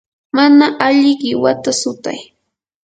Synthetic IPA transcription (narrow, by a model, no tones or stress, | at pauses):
manaʔaʎɪɢɪwat̪asʊt̪a̰j